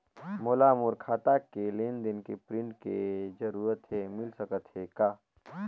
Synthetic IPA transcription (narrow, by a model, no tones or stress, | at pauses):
moːlamuɾkʰaːt̪akelend̪ɪnkepɾɪ̃ɳʈked͡ʒəɾuːɾət̪ɦemɪlsəkət̪ɦekaː